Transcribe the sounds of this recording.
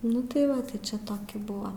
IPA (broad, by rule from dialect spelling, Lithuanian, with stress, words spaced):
ˈnʊ tɐɪ ˈʋɐ tɐɪ ˈt͡ʃʲɛ ˈtoːkʲɪ ˈbʊʋɐ